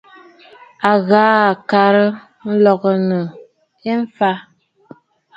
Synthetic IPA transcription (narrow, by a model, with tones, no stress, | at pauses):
a˨ɣaː˨˦a˨ka˨ɾə˦ | n̩˦lɔ˨ɣə˨nə˨ | e˦ɱ˦fa˦